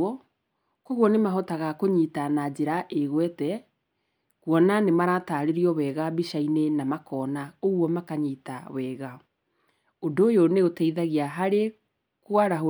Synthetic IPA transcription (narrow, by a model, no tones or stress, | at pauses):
ɔ | kɔɣwɔnemaɦɔtaɣakoɲiːtanad͡ʑeɾaʔeɣwɛtɛ | kwɔnanemaɾataɾeɾiɔwɛːɣabiʃainenamakɔːnaoɣwɔmakaɲitawɛɣa | odoːjoneotɛiðaɣiaɦaɾe | kwaɾaɦo